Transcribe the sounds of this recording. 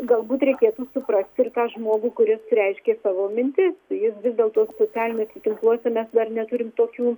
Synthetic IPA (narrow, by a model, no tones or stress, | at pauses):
ɡɐlˠbuːt̪rʲɛɪkʲeːt̪uːsʊprɐsʲt̪ʲɪrt̪ɑːʒmuːɡuːkʊɾʲɪsɾʲɛɪʃʲkʲeːsɑːʋoːmʲɪnʲt̪ʲɪst̪ɐɪjɪsʋʲɪzʲd̪ʲeːlˠt̪uɔssoːt͡sʲæːlʲɪnʲeːsʲɪt̪ʲɪŋklˠuɔsʲɛmʲɛsd̪ɐrnʲɛt̪ʊɾʲɪmt̪oːkʲuː